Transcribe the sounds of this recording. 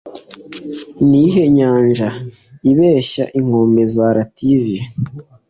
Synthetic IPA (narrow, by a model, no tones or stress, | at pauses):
niɦeɲaːnʒa | iβeːʃa̰ʔiŋ̥oːmbe̞zaɾativi